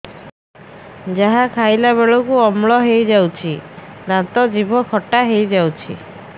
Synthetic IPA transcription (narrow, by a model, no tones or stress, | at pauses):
d͡ʒaɦakʰajlaβeɭɔkuɔmɭɔɦejd͡ʒawt͡ʃʰi | nat̪ɔd͡ʒibʱɔkʰɔʈaɦejd͡ʒawt͡ʃʰḭ